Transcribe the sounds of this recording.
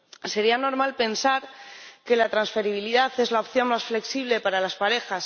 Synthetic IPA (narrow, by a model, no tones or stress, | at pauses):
se̞ɾiano̞ɾmalpe̞nsaɾke̞lat̪ɾansfe̞ɾiβ̞iliðaθe̞zlaopθjo̞nmasfle̞ksiβ̞le̞paɾalaspaɾe̞xas